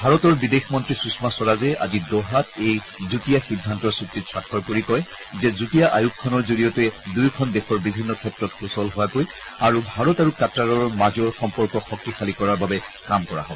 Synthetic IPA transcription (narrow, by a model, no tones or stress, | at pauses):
bʱaɹɔtɔɹbidexmɔntɹisusmasɔɹazɛa̰zidɔɦatej | zutijaxidʱːantɔɹsutːisʰɹakʰːɔɹpoɹikɔj | zɛzutijaʔajukʰːɔnɔɹzoɹijɔtɛdujkʰɔndɛxɔɹbibʱinːɔkʰɛtɹɔtxusɔlɦoakoj | aɹubʱaɹɔtaɹukatːaɹɔɹmazɔɹxɔmpɔɹkɔxɔk̚tixalikɔɹaɹbabɛ | kamkɔɹa̰ɦɔ